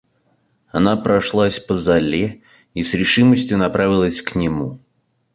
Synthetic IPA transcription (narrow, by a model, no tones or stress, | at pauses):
ɐnapɾɐʂlˠasʲpəzɐlʲe | isɾʲɪʂɨməsʲtʲjʊnɐpɾavʲɪlˠəsʲknʲɪmu